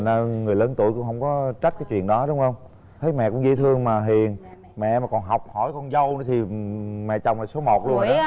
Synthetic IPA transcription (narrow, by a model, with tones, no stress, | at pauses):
na˧ŋɨ˨˩əjləː˨˦nt̪u˧˨əjkʊ̰˧˥ŋ͡mɦə˧wŋ͡mkɔ˨˦t͡ɕa˦˥t̚kaː˨˦jt͡ɕwḭ˧˨ənɗɔ˨˦ɗʊ˨˦wŋ͡mhə˧wŋ͡m | t̪ʰə˨˦jmɛ̰˧˨kʊ̰˧˥ŋ͡mzi˧˦t̪ʰɨ˧əŋmaː˨˩ɦi˨˩ən | mɛ̰˧˨maː˨˩kɔ˨˩nɦa˨˩wk͡p̚hɔ˧˩jkɔ˧nzə˧wnɨ˧˥˦t̪ʰi˨˩mɛ̰˧˨t͡ɕa˨˩wŋ͡maː˨˩so˨˦mo˨˩t̚lu˧ə˧na˨˦